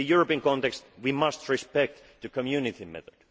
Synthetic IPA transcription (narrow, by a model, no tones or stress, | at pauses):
ɨjuɹəpiə̃nkɔ̃nt̪ɛkst̪wimʌst̪ɹɪspɛk̚t̪ | tɨkʰɔmjʉnɪt̪ʰimɛ̰θɔd̥